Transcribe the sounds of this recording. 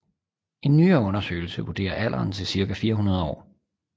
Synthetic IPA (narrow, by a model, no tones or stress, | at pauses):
e̝nːyːɐɔ̽nɐsø̰ːl̩səʋud̥e̝̰ːɐʔæl̰ʔɐːnt͡sʰe̝lsiɐɡæfiːɐɦunɐð̞ˠɒ̰ː